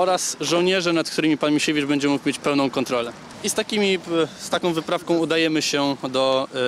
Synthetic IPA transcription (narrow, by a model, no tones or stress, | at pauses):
ɔɾasʐɔwɲɛʐɛnat̪kt̪uɾɘmʲipanmʲiɕevʲiʐbɛɲd͡ʑɛmukmʲjet͡ɕpɛwnɔ̃w̃kɔnt̪ɾɔlɛ | ist̪akʲimʲist̪akɔ̃w̃vɘpɾafkɔ̃w̃ud̪ajɛmɘɕɛd̪ɔ